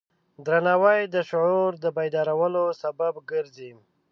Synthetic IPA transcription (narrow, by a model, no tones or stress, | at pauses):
d̪ɾanɑwajd̪əʃʊʕuɾd̪əbajd̪ɑɾawəlosababɡəɾzim